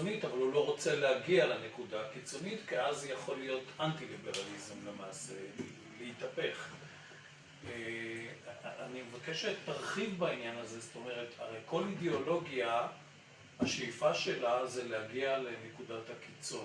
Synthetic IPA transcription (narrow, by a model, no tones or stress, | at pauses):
nitavalulo̞ʁo̞t͡se̞lehaɡialene̞kudaakit͡so̞nitkiazjaχo̞lijo̞tantilibe̞ʁalizemle̞maːse | leitapeχ | e | animevake̞ʃet̪ːaʁχivbainjanazezoto̞me̞ʁe̞tʰa̰ʁejko̞lideo̞lo̞ɡia | haʃeifaʃe̞lazelehaɡialene̞kudataki̥t͡son